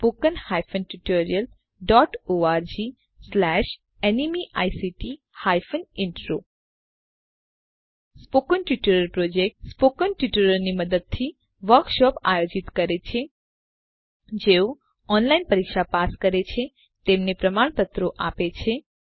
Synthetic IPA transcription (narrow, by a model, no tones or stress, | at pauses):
spokənhajfənʈuʈoɾijəl | ɖɔʈoaɾd͡ʒi | slɛʃ | enimiʔajsiʈi | hajfənɪɳʈɾo | spokənʈjuʈoɾəlpɾod͡ʒek̚ʈspokənʈuʈəɾəɾniməd̪əd̪̚t̪ʰi | ʋəɾkʃɔpa̰jod͡ʒit̪kəɾet͡ʃʰe | d͡ʒeo | ɔnlainpəɾikʃapaskəɾet͡ʃʰe | t̪emnepɾəmaɳ̃pət̪ɾoʔapet͡ʃʰe